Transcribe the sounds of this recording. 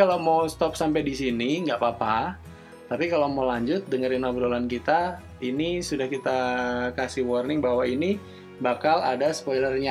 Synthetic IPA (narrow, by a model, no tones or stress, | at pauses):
alamawst̪ɔp̚sampajdisiniŋɡaʔpapa | t̪apikalowmalaɲd͡ʒʊt̪̚dəŋəɾinabɾolankit̪a | inisudahkit̪akasihwɔrnɪŋbaɦwaini | bakala̰dasə̥pɔjlərɲa